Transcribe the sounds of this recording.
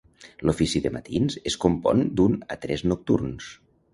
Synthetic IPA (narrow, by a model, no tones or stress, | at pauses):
lufisiðəmət̪inzeskumpɔ̰nd̪unət̪ɾɛznuk̚t̪ṵrns